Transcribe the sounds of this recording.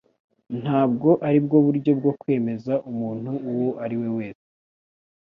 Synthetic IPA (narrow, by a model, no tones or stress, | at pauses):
n̥haːbɡo̞ʔaɾibɡo̞βuɾɟo̞b̚ɡo̞kwe̞ːme̞zaʔumuːn̥huːwoʔaɾiwe̞we̞ːse